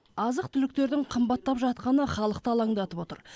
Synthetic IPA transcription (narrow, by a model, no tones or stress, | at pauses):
ɑzəq̚t̪ʰʏlɪk̚t̪e̞ɾd̪ɪɴqʰəmbɑt̪ːɑpʒɑt̪qɑnəχɑlˠəqt̪əɑlˠɑŋd̪ɑt̪əpo̞t̪ə̰ɾ